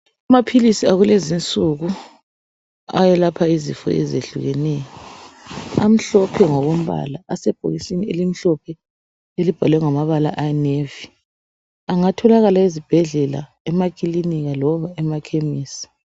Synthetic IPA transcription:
amapʰilisiaɣulezint͡sʼuɣu | a̰jɛlapʰaizḭfɔ̰ɛzḛɬṵɣɛnɛjɔ | am̩ɬɔpʰɛŋɔβom̩βa̰laʔasɛb̥ʱo̰ɣisinielim̩ɬɔpʰɛ | elib̥ʱalwɛŋamaβalaʔanevi | aŋatʰɔlaɣalaizib̥ʱɛɮɛla̰ | ɛmakʼiliniɣalɔβaɛmakʰemiːsḁ

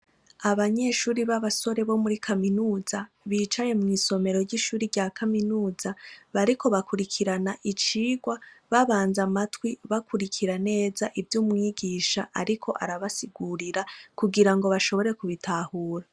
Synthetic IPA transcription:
aβaɲe̞ːʃuːɾiβaβaso̞ɾe̞βo̞muɾikʰaminuːza | βiːt͡ʃaje̞mŋiːso̞me̞ɾo̞ɾɟiʃuːɾiɾɟaːkaminuːzaβaɾikʰo̞βakuɾikʰiɾanaʔit͡ʃiːɡwaβaβaːnzamatwiβakʰuɾikʰiɾane̞ːzaʔivjuːmŋiːɡiːʃaʔaɾikʰo̞ʔa̰ɾaβasiɡuɾiɾakuɡiɾaŋɡo̞βaʃo̞βo̞ɾekuβitʰahuːɾa

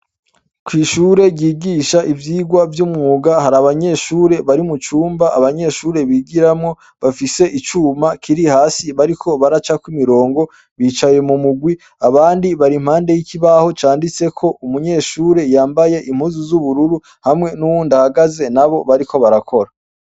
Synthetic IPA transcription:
kwiːʃuːɾe̞ɡiːɡiʃaʔivjiːɡwavjumŋuːɡahaɾaβaɲe̞ʃuːɾe̞βaɾimut͡ʃuːmbaʔaβaɲe̞ʃuːɾe̞βiːɡiɾamŋo̞ | βafise̞ʔit͡ʃuːmakʰiɾihaːsiβaɾikʰo̞βaɾat͡ʃakwimiɾo̞ːŋɡo̞ | βiːt͡ʃaje̞mumuɡwi | aβaːndiβaɾim̥haːnde̞jikiβaho̞t͡ʃaːndit͡se̞kʰo̞ʔumuɲe̞ʃuːɾe̞jaːmbajeʔim̥huːzuzuβuɾuɾu | hamŋe̞nuwuːndahaɡaze̞naβo̞βaɾikʰo̞βaɾakʰo̞ɾa

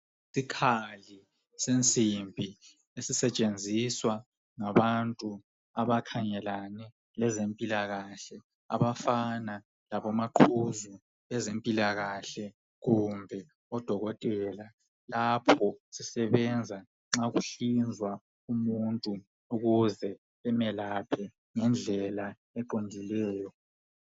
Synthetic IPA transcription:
sikʰali | sent͡sʼimbʱi | esisɛt͡ʃʼend͡zʱiswa | ŋaβantʼu | aβakʰaŋɛlanɛ | lɛzempʼilaɣaɬɛ | a̰βafana | laβɔmaǃʰuzu | ɛzempʼilaɣaɬɛ | ɣumbʱɛ | ɔd̥ʱɔɣɔtʼɛla | lapʰɔsisɛβɛnd͡zʱa | ŋ͡ǁaɣuɬind͡zʱwa | umuntʼu | uɣuzɛ | ɛmɛlapʰɛ | ŋɛnd͡ɮʱɛla | ɛǃondʱilɛːjɔ

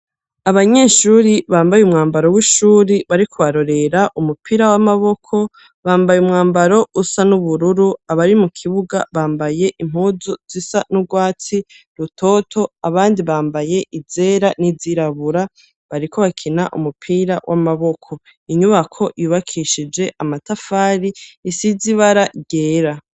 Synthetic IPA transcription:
aβaɲe̞ːʃuːɾiβaːmbajumŋaːmbaɾo̞wiʃuːɾiβaɾikʰuβaɾo̞ɾe̞ɾaʔumupʰiːɾawamaβo̞kʰo̞ | βaːmbajumŋaːmbaɾo̞ʔusanuβuɾuɾuaβaɾimukʰiβuɡa̰βaːmbaje̞ʔim̥uːzuz̥isanuɡwaːt͡si | ɾutʰo̞ːtʰo̞aβaːndiβaːmbaje̞ʔize̞ːɾaniziɾaβuɾa | βaɾiko̞βakʰinaʔṵmupʰiːɾawʔamaβo̞kʰo̞ | iɲuβakʰo̞ʔijuβakʰiʃid͡ʒe̞ʔamatafaːɾiːsiziβaɾaɡe̞ːɾa

